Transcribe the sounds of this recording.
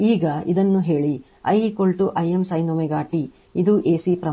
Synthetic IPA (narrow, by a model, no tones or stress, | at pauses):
iːɡɐḭd̪ɐnːuɦe̞ːɭi | ɐ̰jikoɭʈuʔɐjemsɐjnomeɡaːʈi | id̪uʔeːsipɾɐ